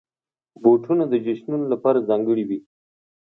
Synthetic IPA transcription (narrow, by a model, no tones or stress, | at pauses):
boʈʰunad̪əd͡ʒaʃnunolapɑɾazɑ̃ŋɡəɽiwi